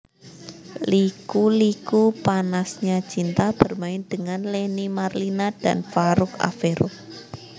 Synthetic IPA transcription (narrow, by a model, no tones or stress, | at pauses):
likulikupanasɲat͡ʃint̪ab̥ə̤rmaɪnd̪̥əŋanlenimarlinad̥a̰nfaɾʊka̰feɾɔ